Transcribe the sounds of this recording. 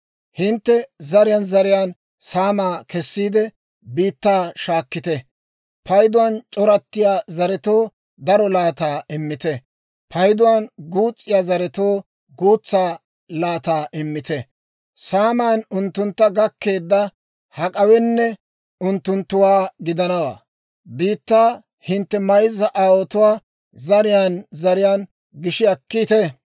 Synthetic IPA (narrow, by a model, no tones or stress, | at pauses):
hɪnt̪ːɛzɐɾɪjanzɐɾɪjaːn | saːmaːkɛsːiːd̪ɛ | biːt̪ːaːʃaːkːɪt̪ɛ | pɐjd̪ʊwant͡ʃʼɔɾɐt̪ːɪjaːzɐɾɛt̪o̞ː | d̪ɐɾɔlaːt̪aːʔɪmːɪt̪ɛ | pʰɐjd̪ʊwanɡuːt͡sʼːɪjaːzɐɾɛt̪oː | ɡuːt͡sːaː | laːt̪aːʔɪmːɪt̪ɛ | saːmaːnʊnt̪ːʊnt̪ːɐɡɐkːe̞ːd̪ːɐ | hɐkʼɐwɛnːɛ | ʊnt̪ːʊnt̪ːʊwaːɡɪd̪ɐnɐwa̰ː | biːt̪ːaː | hɪnt̪ːɛmɐjzɐʔaːwɔt̪ʊwaː | zɐɾɪjaːnzɐɾɪjaːn | ɡɪʃɪɐkːit̪ɛ